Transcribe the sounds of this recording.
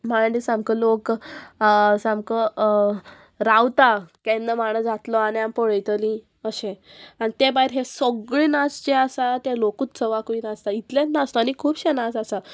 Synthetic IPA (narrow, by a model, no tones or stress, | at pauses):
maɖisamkəlok | samkə | ɾawt̪akɛ̃nd̪əmaɽ̃əd͡zat̪lɔaɽiampɔɭəjt̪əlĩ | əɕẽanit̪ebaɦiɾɦesɔɡɭiːnast͡ɕeasat̪jalokuːt̪t͡səʋakʋiːnast̪ait̪ljanast̪ɔanikʰuːbɕenasasa